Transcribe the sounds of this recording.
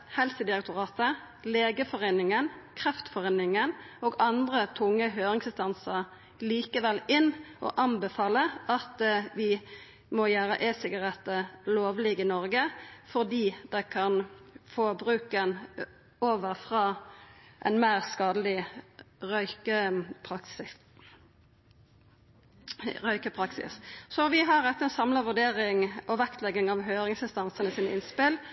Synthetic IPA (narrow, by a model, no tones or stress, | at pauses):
hɛlsəd̪ɪʁɛk̚t̪ʊʁɑːt̪ə | leːɡəfɔʁeɪnɪŋənkʰʁɛft̪fɔʁeːnɪŋənoːɡɑnd̪ʁət̪ʰʊŋːəɦøːʁɪŋsɪst̪ɑnsəʁ | liːkəʋɛlɪnːʔɔ̰ʔɑnbɛfɑːləɑt̪ʋɪ | mɔjæːʁə̰ʔesɪɡɑʁɛt̪ːəloːʋlɪːɡɪnɔʁɡəfɔʁd̪iːd̪ɛɪkʰɑnfoːbʁʉːkən | oːʋəʁfʁɑːʔɛ̰ɪnmæːʁskɑːd̪əlɪ | ʁœʏkəpʰɑks | ʁœʏkəpʰʁɑksɪ̰ssɔʋɪɦɑʁɛt̪ːəɛnsɑmlɑʋʉɖ̪eːʁɪŋʔɔʋækt̪lɛɡɪŋɑʋɦøːʁɪŋsɪnst̪ɑnsənəsiːnɪnspɪl